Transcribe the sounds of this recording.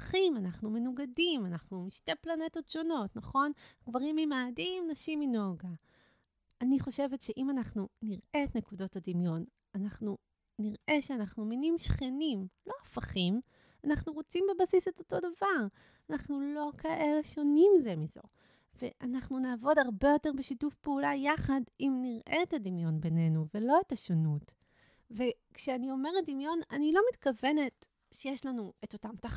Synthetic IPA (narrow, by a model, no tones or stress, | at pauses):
χimanaχnume̞nuɡadimanaχnumiʃte̞plane̞to̞tʃo̞no̞tnaχo̞nhaɡvaʁimimaːdimnaʃimino̞ɡa | aniχoʃe̞vetʃe̞ʔimanaχnuniʁe̞ːtne̞kudo̞tadimjo̞n | anaχnu | niʁʔe̞ʃeanaχnuminimʃχenimlo̞afaχim | anaχnuʁot͡simbe̞basise̞to̞to̞davaʁ | anaχnulo̞kʰaʔe̞leʃo̞nimzemizo̞̰ | ve̞ʔanaχnunaːvo̞daʁbe̞jo̞te̞ʁbe̞ʃitufpeulajaχadimniʁʔeːtadimjo̞nbe̞ne̞nuve̞lo̞etaʃonut | vekʃeanio̞me̞ʁedimjo̞nanilo̞mitkave̞ne̞t | ʃejeʃlanueto̞tamta